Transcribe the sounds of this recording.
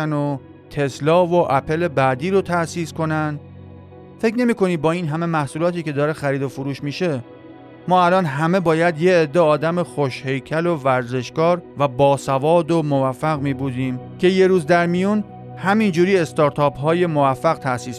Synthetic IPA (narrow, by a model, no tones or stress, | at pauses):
æno | t̪ʰe̞slɒːvo̞ʔæpʰe̞le̞bæd̪iːɾot̪ʰæsiːsko̞næn | fe̞cʰne̞miːko̞niːbɒːiːnɦæme̞mæhsuːlɒːt̪ʰiːce̞d̪ɒːɾexæɾiːd̪o̞fuɾuːʃmiːʃe̞ | mɒːælɒːnɦæme̞bɒːjæd̪je̞ːd̪ːeɒːd̪æme̞xoʃhe̞jcʰælo̞væɾze̞ʃkɒːɾvæbɒːsævɒːd̪omovæfːæɣmiːbud̪iːmcʰe̞je̞ɾuːzd̪æɾmijun | hæmind͡ʒuːɾiːe̞st̪ɒːɾt̪ʰɒːpɦɒːje̞mo̞væfːæɣt̪ʰæʔsiːs